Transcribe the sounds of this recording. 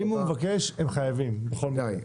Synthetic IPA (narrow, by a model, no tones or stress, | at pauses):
imumevakeʃemχajavimbeχo̞lmia